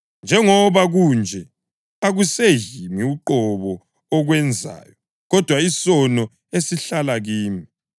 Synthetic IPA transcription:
nd͡ʒʱɛŋɔβaɣund͡ʒʱɛ | aɣusejimiuǃɔβɔː | ɣwɛnd͡zʱa̰ːjɔ | ɣɔd̥ʱwaisɔnɔ | esiɬalaɣiːmi

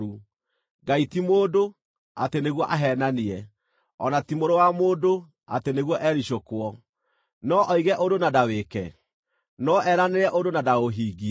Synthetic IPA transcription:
u | ɡaitimoːdo | a̰teneɣwɔʔaɦɛnaniɛ | ɔnatimoɾowamoːdo | a̰teneɣwɔʔɛɾiɕokwɔ | nɔʔɔiɣɛʔodonadawekɛ | nɔʔɛɾaneɾɛʔodonadaoɦiːɣi

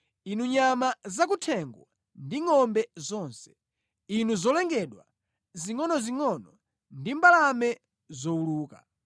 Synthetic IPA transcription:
inuɲamazak̬utʰɛŋɡwa̰ | ndiŋɔmbɛzɔːnsɛ̥ | inuzɔlɛŋɡɛɗwa̰ | ziŋɔnɔziŋɔnɔ | ndimbalamɛ | zɔuluːka̰

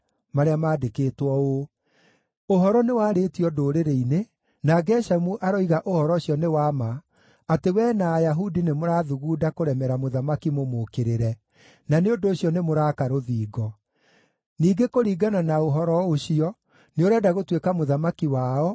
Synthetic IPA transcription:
maɾeamaːdekeːtwɔo | oɦɔɾɔnewaːɾetiɔdoːɾeɾeine | naɡɛʃamuʔaɾɔiɣaʔohɔɾɔɕiɔnewamaː | tewɛnaːjaɦudinemoɾaːðuɣuːdakoɾɛmɛɾamoðamakimomokeɾeɾɛ | naneondoːɕjɔnemoɾaːkaɾoðiːɡɔ | niːɡekoɾiːɡananaoɦɔɾɔoɕiɔ | neoɾeadaɣotwekamoðamakiwaːɔ

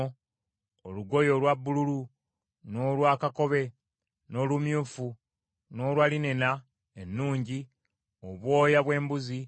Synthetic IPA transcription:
oluɡo̞jo̞lwabːululu | no̞ːlwaːkako̞βe̞ | no̞lumjuːfu | no̞ːlwaline̞na | enːuːɲɟi | oβwo̞ːjaβwe̞ːmbuzi

